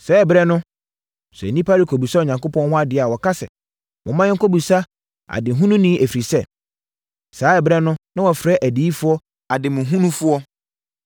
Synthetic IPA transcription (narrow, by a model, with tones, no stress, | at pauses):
sɛ˦ɛ˨bɾɛ˦nʊ̃˦ | sɛ̰˨nĩ˦pʰa˦ɾi˨kʰo˨bu˨sa˦˨ɲã˨ŋko˦pʰɔ̃˦nhʊ̃˦a˦dɪ˨˦a˨wɔ˨ka˦sɛ̰˨ | mʊ̃˨˦mã˦ɲɪ˦ŋ˦kʰo˦bu˨sa˦ | a̰˨dɪ˨ɦũ˦nũ˦nĩ˦ʔæ˨fi˨ɾi˨sɛ˦˨ | saː˨˦ɛ˨bɾɛ˦nʊ̃˦nã˦wɔ˨fɾɛ˦ʔæ˨di˨˦i˦fʊ˦ɔ˦ | a˨dɪ˨mʊ̃˨ɦũ˦nũ˦fʊ˦ɔ˦